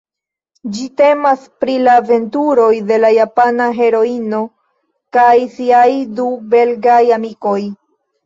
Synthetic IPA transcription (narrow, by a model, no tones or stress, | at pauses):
d͡ʒite̞maspɾilaːve̞ntuɾo̞jde̞lajapanaɦe̞ɾo̞ino | kajsiajdube̞lɡajamiko̞j